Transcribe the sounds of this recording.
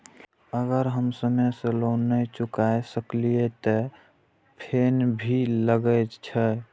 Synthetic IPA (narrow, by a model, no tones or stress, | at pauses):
əɡəɾɦəmsəmesəlonəjt͡ʃukaesəkliet̪ɔ | pʰenbʱiləɡət̪t͡ʃʰɛ